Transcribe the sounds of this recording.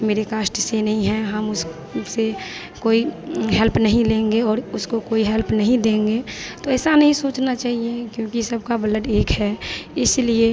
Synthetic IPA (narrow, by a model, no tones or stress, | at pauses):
meːɾekaːsʈsenɐɦĩɦɛ̃ɦəmʊs | se | koːiɦɛlpnəɦĩlẽːŋɡeɔːɾʊskokoːiɦɛlpnɐɦĩd̪ẽːŋɡet̪oɛːsanəɦĩsoːt͡ʃnat͡ʃaːɦiekjõːkisəbkabələʈeːkɦɛɪslie